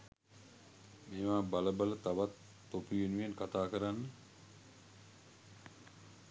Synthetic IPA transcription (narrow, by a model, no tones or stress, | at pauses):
meːʋaːbaləbalət̪aʋat̪ː | opujenujenkat̪aːkəɾanːə